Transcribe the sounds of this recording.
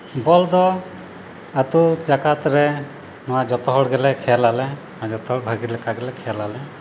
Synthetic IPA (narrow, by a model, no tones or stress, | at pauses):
bɔld̪ɔ | at̪ud͡ʒakat̪ɾɛ | nɔwad͡ʒɔt̪ɔɦɔɽɡɛlɛkʰɛjalalɛnɔwad͡ʒɔt̪ɔɦɔɽbʱaɡiɾlɛkaɡɛlɛkʰɛjalalɛ